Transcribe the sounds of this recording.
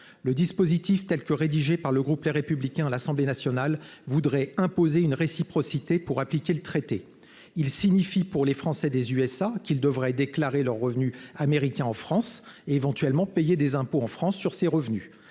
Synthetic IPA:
ləd̪ispozit̪ift̪ɛlkəʁed̪iʒepaʁləɡʁupleʁepyblikʲɛ̃lasɑ̃blenasjɔnalvud̪ʁɛɛ̃pozeynʁesipχɔsit̪epuʁaplikʲelət̪χet̪e | ilsiɲifipuʁlefχɑ̃sɛd̪ezyɛsakʲild̪əvʁɛd̪eklaʁelœʁːəvnyameʁikʲɛ̃ɑ̃fχɑ̃seːvɑ̃t̪ɥɛlmɑ̃pejed̪ezɛ̃poɑ̃fχɑ̃sːyʁseʁəvny

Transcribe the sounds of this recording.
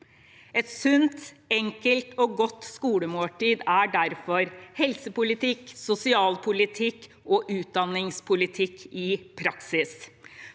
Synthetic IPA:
ɛt̪sʉnt̪ɛŋkəlt̪ɔːɡɔt̪ːskuːləmoːʈiːd̪æɖæɾfɔɾhɛlsəpʊlɪt̪ʰɪksʊsɪɑːlpʰʊlɪt̪ʰɪkː | ʔɔːʔʉːt̪̚d̪ɑnɪŋspʰʊlɪt̪ʰɪkːɪpʰɾɑksɪs

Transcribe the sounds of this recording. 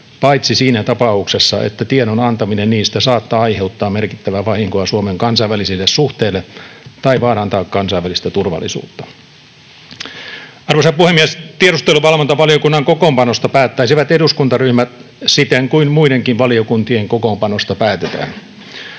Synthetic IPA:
pɑit̪sisiːnæt̪ɑpɑuksesːɑ̰ʔḛt̪ːæt̪ienonɑnt̪ɑminenniːst̪æsɑːt̪ːɑːɑihe̞ut̪ːɑːmmerkit̪ːæʋæʋɑhiŋkoɑsuomeŋkɑnsɑiʋælisilːessuht̪eːlːet̪ɑiʋɑːɾɑnt̪ɑːkkɑnsɑiʋælist̪æt̪urʋɑ̰lˑːḭsṵːt̪ːɑ̥ | ɑrʋosɑpuhemːiest̪ieɾust̪eluʋɑlʋont̪ɑʋɑliokunːɑŋkokoːmpɑnost̪ɑpæːt̪ːæisiʋæt̪eduskunt̪ɑryhmæt̪ | sit̪eŋkuinmuiɾeŋkiʋʋɑliokunt̪ieŋkokompɑnost̪ɑpæːt̪et̪æ̰ːn

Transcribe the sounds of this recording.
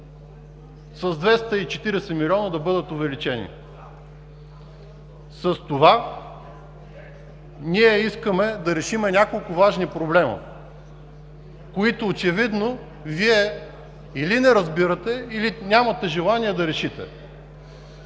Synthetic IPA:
sɐzd̪vɛst̪əit͡ʃɛt̪iɾɛsɛmilʲɔnəd̪ɐbɤd̪ət̪ʊvɛlit͡ʃɛnḭ | sɐst̪ova | niɛiskəmɛd̪ɐɾɛʃimɛnʲakolˠkʊvaʒnipɾoblɛmɐ̰ | koit̪ʊːt͡ʃɛvid̪no | viɛ | ilinɛɾɐzbiɾət̪ɛilinʲamɐt̪ɛʒɛlˠaniɛd̪ɐɾɛʃit̪ɛ̰

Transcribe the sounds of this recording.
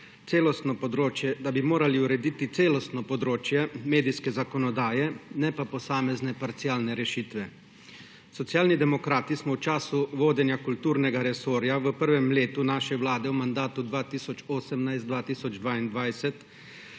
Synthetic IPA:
t̪seːlɔst̪nɔpɔd̪ɾoːt͡ʃjɛd̪abimoːɾaliuɾɛd̪iːt̪it̪seːlɔst̪nɔpɔd̪ɾoːt͡ʃjɛmeːd̪ijskɛzakɔnɔd̪aːjɛnɛpapɔsaːmɛznɛpaɾt̪siaːlnɛɾɛʃiːt̪ʋɛ | sɔt̪sjaːlnid̪ɛmɔkɾaːt̪ismɔwt͡ʃaːsuʋoːd̪ɛnjakult̪uːɾnɛɡaɾɛsoːɾjaʋəpəɾʋɛmleːt̪unaːʃɛwlaːd̪ɛwmand̪aːt̪ud̪ʋaːt̪iːsɔt͡ʃoːsɛmnajst̪d̪ʋaːt̪iːsɔd͡ʒd̪ʋaːind̪ʋajsɛt̪

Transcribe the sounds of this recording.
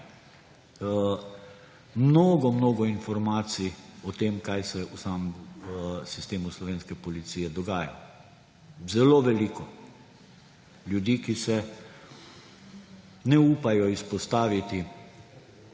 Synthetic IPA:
mnoːɡɔmnoːɡɔinfɔɾmaːt̪siɔt̪eːmkajsɛusam | sist̪eːmuslɔʋeːnskɛpɔlit̪siːjɛd̪ɔɡaːja̰ | zɛloʋɛliːkɔ | ljud̪iːkisɛ | nɛuːpajɔispɔst̪aːʋit̪i

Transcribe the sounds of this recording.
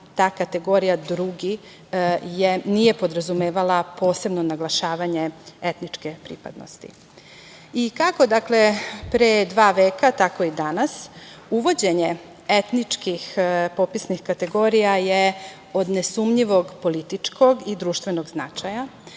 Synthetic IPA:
t̪aːkat̪e̞ɡo̞ɾijad̪ɾuɡi | jenijepo̞d̪ɾazumeːʋalapʰo̞ːse̞bnonaɡlˠaʃaːʋaɲeet̪nit͡ʂkepɾḭpa̰d̪no̰st̪ḭ | ikako̞d̪aklepɾed̪ʋaːʋe̞ːkat̪ako̞id̪anas | uʋo̞d͡ʑe̞ɲe | et̪nit͡ʂkixpopisnixkat̪e̞ɡo̞ɾijaje | o̞d̪nesumɲiʋo̞ɡpolit̪it͡ʂkʰo̞ɡid̪ɾuːʃt̪ʋe̞no̞ɡznat͡ʃaja

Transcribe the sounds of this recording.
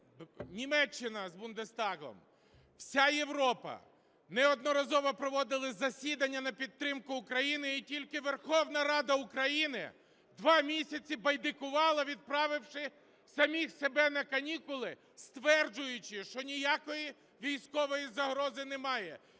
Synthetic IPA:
nʲimɛt͡ʃːɪnɐzbʊnd̪est̪ɑɣɔ̰m | wsʲaje̞ʋɾɔpɐ̰ | nɛɔd̪nɔɾɐzɔʋɔpɾɔʋɔd̪ɪlˠɪzɐsʲid̪ɐnʲːɐnɐpʲid̪̚ːɾɪmkʊːkɾɐjinɪitʲilʲkɪʋerxɔwnɐɾɑd̪ɐʊkɾɐjinɪ̰ | d̪ʋɑmʲisʲɐt͡sʲibɐjd̪ɪkʊʋɑlˠɐʋʲid̪̚pɾɑʋɪwʃɪ | sɐmʲixsebɛnɐkɐnʲikʊlˠɪ | st̪ʋɛrd͡ʒʊjʊt͡ʃɪʃt͡ʃɔnʲijakɔji | ʋʲijsʲkɔʋɔjizɐɦɾɔzɪnemɑjɛ

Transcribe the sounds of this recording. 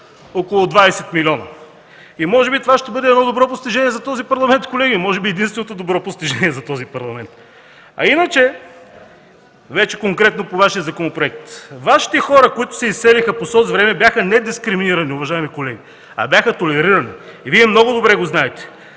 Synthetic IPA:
okolˠʊd̪vaɛsɛt̪milʲɔnɐ̰ | imɔʒɛbit̪ovaʃt̪ɛbɤd̪ɛd̪nɔd̪obɾɔpost̪iʒɛniɛzɐt̪ɔzipɐɾlˠɐmɛnt̪kolɛɡimɔʒɛbiɛd̪inst̪vɛnot̪od̪obɾɔpost̪iʒɛnʲiɛzɐt̪ɔzipɐɾlˠɐmɛnt̪ | ɐ̰inət͡ʃɛ | vɛt͡ʃɛ̥koŋkɾɛt̪nopovaʃijəzɐkonopɾoɛk̚t̪vaʃi̥t̪ɛxɔɾəkoit̪ʊ̥sɛisːɛlixəposɔzvɾɛmɛbʲjaxənɛd̪iskɾiminiɾɐniʊvɐʒaɛmikolɛɡ̟i | ɐ̰bʲjaxət̪olɛɾiɾɐniːviɛmnɔɡʊd̪obɾɛɡoznaɛt̪ɛ̥

